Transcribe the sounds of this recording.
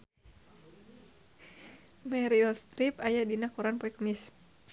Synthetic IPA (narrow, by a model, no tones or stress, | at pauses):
mɛɾiɔst̪ɾipajadinakuɾanpɔɛkmis